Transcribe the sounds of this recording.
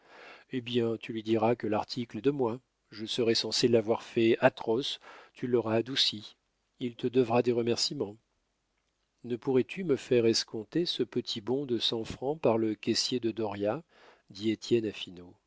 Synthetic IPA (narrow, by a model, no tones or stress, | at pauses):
ebjɛ̃t̪ʰylɥid̪iʁakəlaʁt̪ʰiklɛd̪əmwa | ʒəsəʁɛsɑ̃selavwaʁfɛat̪χɔst̪ʰylɔʁaːd̪usi | ilt̪əd̪əvʁad̪eʁəmɛʁsimɑ̃ | nəpuʁɛt̪ʰyməfɛʁɛskɔ̃t̪esəpət̪ʰibɔ̃d̪əsɑ̃fχɑ̃paʁləkʲɛsjed̪əd̪ɔʁja | d̪iet̪ʰjɛnafino